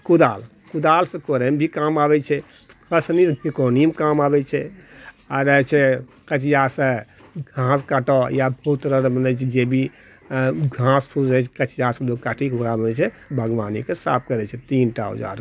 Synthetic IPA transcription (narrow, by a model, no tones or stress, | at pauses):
kud̪al | kud̪alsə̃koɾɛmbʱikamabɛt͡ʃʰɛ | kəsnisbikonimkamabɛt͡ʃʰɛ | aɾət͡ʃʰɛ | kət͡ʃijasə̃ | ɡʱãskaʈɔjabəut̪ɾəɾbənɛt͡ʃʰɛd͡ʒebʱi | ɡʱãspʰuzət͡ʃʰɛkət͡ʃjasə̃loɡ̚kaʈʰikɦuɾabənɛt͡ʃʰɛ | bʱəɡʋanikesa̰p̚ʰkəɾɛt͡ʃʰɛt̪inʈa̰ɦo̰d͡ʒa̰ɾ